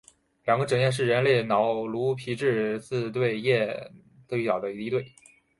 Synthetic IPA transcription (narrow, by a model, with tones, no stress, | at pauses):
ljɑ˨˩ŋɡə˦ʈ͡ʂɤ˨˩ŋjɛ˥˧nʂ̬ɻ̩˥˩ɻə˧˥nle˥˩ɪnɑ˧˥ʊlu˧˥pʰi˧˥ʈ͡ʂɻ̩˥˧t͡sɹ̩˥˧t̪we˥˧ɪjɛ˥˧ | t̪o˥˧i˩t̪ɑ˨˩ʊd̪ə˦i˧˥t̪i˥t̪we˥˩ɪ